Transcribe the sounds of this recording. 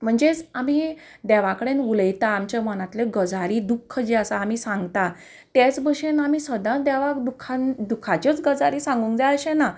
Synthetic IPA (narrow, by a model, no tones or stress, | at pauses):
m̤əɳd͡zet͡samiːd̪ɛʋakəɽenuləjt̪aːmt͡ɕamənãt̪leɡəd͡zʱaɾiːd̪ukʰːəd͡ʑiasaːmisãŋɡt̪a | t̪et͡sbəɕenamiːsəd̪ãd̪ɛʋakd̪ukʰand̪ukʰat͡ɕət͡sɡəd͡zaɾiːsãŋɡũŋkd͡zajəɕẽna